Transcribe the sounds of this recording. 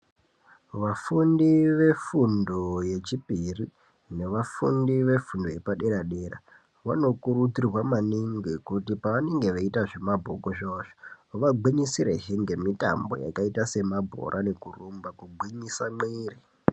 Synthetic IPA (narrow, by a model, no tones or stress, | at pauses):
ʋafundiʋe̞fundo̞je̞t͡ʃipiri | ne̞ʋafundiʋe̞fundo̞je̞paɗe̞ɾaɗe̞ːɾa̰ | ʋa̰no̞kuɾud͡zirwamaniŋɡekutipaʋane̞ŋɡe̞ʋaitaʐe̞mabʱo̰koʃoːʐo̥ʋaɡʱiɲisiɾḛɦeŋɡe̞mita̰mbo̞̰ja̰kaitase̞mabʱo̞̰ɾʔane̞kurumbakuɡʱwiɲisamiːri